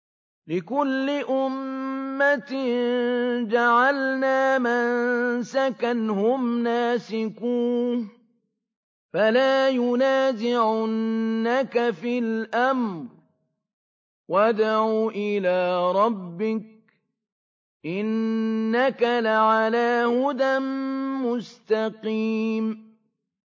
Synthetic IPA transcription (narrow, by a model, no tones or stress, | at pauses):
lɪkʊlːɪʔʊmːat̪ | d͡ʒaʕalnaːmansakanhʊmnaːsɪkuːn | falaːjʊnaːzɪʕʊnːakafɪlʔamɾɾ | wad̪aʕuːʔɪlaːɾˤɑbːɪk̚ | ʔɪnːakalaʕalaːhʊd̪anmʊst̪ɑqiːm